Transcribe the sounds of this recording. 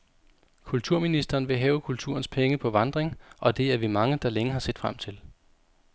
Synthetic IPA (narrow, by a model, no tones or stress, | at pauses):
kʰult͡sʰuɐ̰minisd̥ɐːn̩ʋe̝ɦɛːʊəkʰult͡sʰṵɐnspʰeŋəpʰɒ̽ʋɑ̈nd̥ʁeŋʔɒ̽d̥e̝æɐʋimɑ̈ŋəd̥ɑ̈leŋəɦɑ̈se̝̰ːd̥fʁam̰t͡sʰe̝l